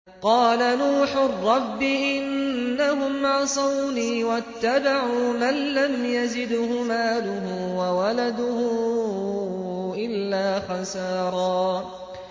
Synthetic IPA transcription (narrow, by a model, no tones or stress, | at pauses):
qɑːlanuːħʊrːɑbːɪʔɪnːaɦʊmʕɑsˤɑwniːwat̪ːabaʕuːmanlamjazɪd̪hʊmaːlʊɦʊwawalad̪ʊhʊ | ʔɪlːaːxɑsɑːɾˤɑː